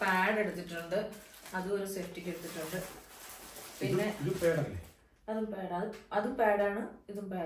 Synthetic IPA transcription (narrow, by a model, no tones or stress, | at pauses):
paːɽeɽut̪ːiʈːuɳɖɨɐðuoɾusefʈːikʲːeɽut̪ːiʈːuɳɖɨ | pinːeiupeːɽɐlːḛ | ɐðumpeːɽɐðɨɐðumpeːɽaːɳɨiðumpeː